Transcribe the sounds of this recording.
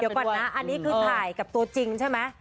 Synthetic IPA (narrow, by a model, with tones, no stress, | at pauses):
i˩˦kɔː˨˩na˦˥ʔa˧nːiː˦˥kʰɯː˧t̪ːʰaː˨˩jka˨˩p̚t̪u˧ɐt͡ɕi˧ŋt͡ɕʰa˥˩jma˦˥j